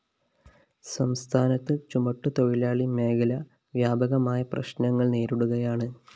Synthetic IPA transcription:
sɐmst̪ʰaːnɐt̪ːɨt͡ɕumɐʈːut̪o̞ɻilaːɭime̞ːkʰɐlɐ | ʋjaːbʱɐɣɐmaːjɐprɐ̰ɕnɐŋːɐɭne̞ːɾuɽuɣɐjaːɳɨ

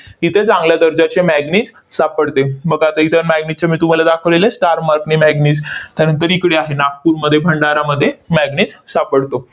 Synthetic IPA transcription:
it̪ʰet͡sãŋɡljad̪əɾd͡ʑat͡ɕemæɡnit͡s | sapəɽt̪ebəɡat̪əit̪ʰəɾmæɡnit͡ɕamiːt̪um̤alad̪akʰəʋlelesʈaɾmaɾkniːmæɡniːt͡st̪janənt̪əɾikɽeaɦenak̚puɾməd̪ʱːjebʱəɳɖaɾaməd̪ʱːjemæɡnit͡ssapəɽt̪o

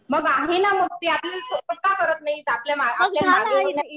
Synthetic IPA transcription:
məɡaɦenaməɡ̚t̪iaplisokək̪akəɾət̪najt̪apljamaajaaɡeaina

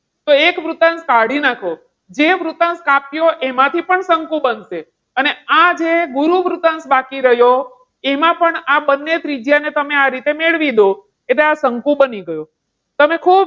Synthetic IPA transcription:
t̪oekʋɾut̪ənskaɽinakʰo | d͡ʒeʋɾut̪ənskapjoʔemãt̪ʰipəɳsəŋkũbənse | ənead͡ʒeɡuɾuʋɾut̪ənsbakiɾəjo | emãpəɳabənːet̪ɾid͡ʒjanet̪əmeaɾit̪emeɭʋid̪o | et̪leasəŋkũbəniɡəjo | t̪əmekʰub

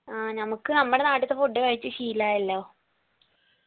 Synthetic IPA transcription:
aːnɐmukːɨnɐmːuɽenaːʈːɐt̪ːepuɖːeʋɐɻit͡ɕːɨɕiːlaːelːoo

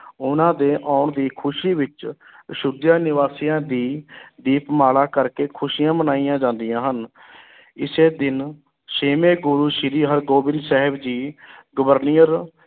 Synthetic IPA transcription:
ʊnãːd̪eːʔaːɳd̪iːkʰʊʃiːʋɪt͡ʃ | əʃʊd̪jaːnɪʋaːsiːãːd̪iːd̪iːpmaːlaːkəɾkeːkʰʊʃijãːbənaːijãːd͡ʒãːnd̪ijãːɦən | ɪseːd̪ɪn | seːmeːɡʊɾuːʃɪɾiːɦəɾɡoːbɪ̃nd̪sɛɦəbd͡ʒiːɡʊʋəɾnijəɾ

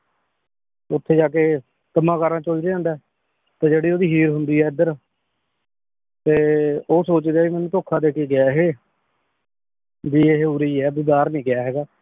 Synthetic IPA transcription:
ʊt̪ʰːeːd͡ʒaːkeː | t̪əmãːkaːɾãːt͡ʃoːld̪eːãːnd̪ɛː | t̪ãːd͡ʒeːɽiːoːd̪iːɦiːɾɦʊnd̪iːɦɛːɪd̪əɾ | t̪eːoːsoːt͡ʃd̪eaːʋiːmɛ̃ːnũːt̪oːkʰãːd̪eːkeːɡɪjaːɦeː | d̪iːeːɦeuːɾiːɛːbɪd̪aːɾnĩːkɪjaːɦɛːɡaː

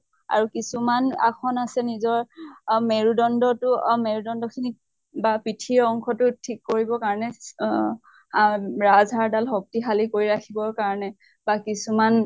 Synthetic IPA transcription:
a̰ɹukisumana̰kʰɔnasɛnizɔɹmeɹudɔndɔtʊmeɹudɔndɔkʰini | bapitʰiɹɔŋkʰɔtʊtʰikːoɹibɔkaɹɔnɛ | ɹazaɹdalɦɔk̚tixalikoɹiɹakʰibɔɹkaɹɔnɛ | bakisuman

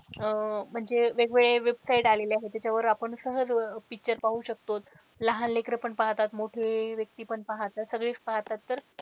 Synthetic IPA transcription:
m̤əɳd͡zeʋeɡʋeɭeʋebsaiʈaleleaɦet̪jat͡ɕjaʋəɾapəɳsəɦəd͡zpik̚t͡ɕəɾpaɦuɕək̚t̪ot̪ | laɦanlekɾəpəɳpaɦt̪at̪moʈʰeʋjək̚t̪iːpəɳpaɦt̪at̪səɡɭiːt͡spaɦt̪at̪ːəɾ

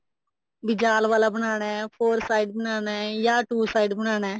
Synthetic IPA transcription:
bɪd͡ʒaːlʋaːlaːbənaːɳɛːpʰoːɾsaːiɖbənaːnɛːjaːʈuːsaːiɖbəñaːnɛː

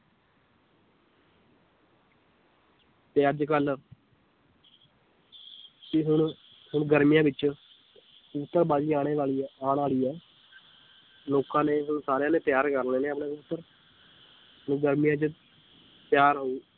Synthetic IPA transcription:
t̪eːəd͡ʒkəl | tiɦʊɳ | hʊɳɡəɾmijãːʋɪt͡ʃ | ʊt̪ːəɾbaːd͡ʒiːaːɽ̃eːʋaːɭiːaːñaːliːɛː | loːkãːneːɦʊɳsaːɾejãːneːpɪjaːɾkəɾneːneːəpɳẽːʊt̪ːəɾ | ɦʊɳɡəɾmijãːt͡ʃə | p̪jaːɾɦoː

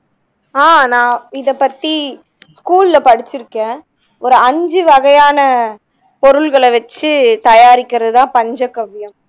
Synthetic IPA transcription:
aːnãːɪðɐpːɐt̪ːi | skuːlɪlɐpɐɽɪt͡ʃːɪɾɯkːẽː | ɔɾɯɐɲd͡ʒɯʋɐɣɐjaːnɐ | pɔɾɯɭɣɐɭʋɐt͡ʃːɯt̪ɐjaːɾɪkːɪɾɐðɯt̪ãːpɐɲd͡ʒɐkːɐʋːɪjɐm

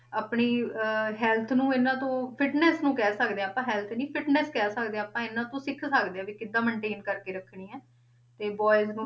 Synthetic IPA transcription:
aːpɳiːɦɛːlt̪ʰnũːenãːt̪õːpʰɪʈnɛːsnũːkɛːsəkd̪eːãpãːɦɛːlt̪ʰnĩːpʰɪʈnɛːskɛːsəkd̪ẽːəpãːɪnãːt̪õːsɪkʰsəkd̪eːãːʋiːkɪd̪ːãːməɳʈeːnkəɾkeːɾəkʰɳiːɛː | t̪eːbɔːɪz

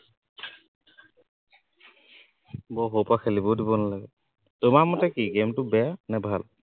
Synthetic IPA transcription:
bɔɦowpakʰelibodibɔnalaɡɛ | tʊmamɔtɛkiɡemtʊbɛjanɛbʱal

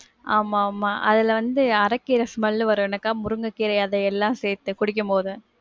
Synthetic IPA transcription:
aːmaːmaːʔɐ̰ðɪlʋɐnd̪ɯɐɾɐkːiːɾɐsmɐlːɯʋɐɾɯɛnɐkːaːmʊɾɯŋɡɐkːiːɾɐɪɐðɐɛlːãːseːɾt̪ːɯkʊɽɪk̬ːɯmpoːðɯ

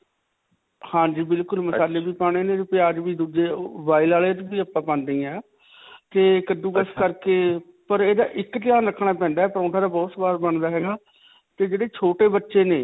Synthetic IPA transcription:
hãːd͡ʒiːbɪlkʊlməsaːleːbiːpãːɽ̃eːnẽːt̪epɪaːd͡ʒʋiːd̪uːd͡ʒeːbaːiːlaːleːt̪ːbiːəpːãːpãːnd̪iːɛ̃ː | t̪eːkəd̪ũːkəskəɾkeː | pəɾeːd̪a̰ːʔɪkt̪ɪjaːnɾəkʰɳ̃aːpɛ̃ːnd̪aːɛːpəɾõːʈʰaːd̪aːbɔːt̪sbaːɾbəɳd̪aːɦɛːɡaː | t̪eːd͡ʒeːɽeːt͡ʃʰoːʈeːbətːʃeːneː

